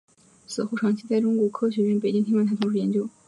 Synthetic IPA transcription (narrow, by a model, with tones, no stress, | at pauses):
sɹ̩˨˩xu˥˧˩ʈ͡ʂʰɑ˧˥ŋt͡ɕʰi˧˥t͡sa˥˩ɪʈ͡ʂʊ˥ŋkwɔ˧˥kʰɤ˥ɕɥɛ˧˥ɥɛ˧˥npe˨˩ɪt͡ɕi˥ŋt̪ʰi˥ŋ˥˧˥t̪ʰa˥t̪ʰʊ˧˥ŋʂɻ̩˥˩jɛ˧˥nt͡ɕjo˥ʊ